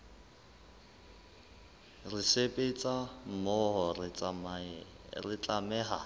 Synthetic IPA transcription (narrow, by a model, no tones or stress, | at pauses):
rɪsepʼet͡sʼam̩mɔɦɔrɪt͡sʼama | rɪt͡ɬʼamɛːɦa